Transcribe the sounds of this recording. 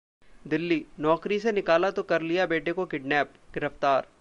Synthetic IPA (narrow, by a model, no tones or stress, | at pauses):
d̪ɪlːinɔːkɾisenɪkaːlat̪okɐɾlijabeːʈekokɪɖnɛːp̚ | ɡɪɾəft̪aːɾ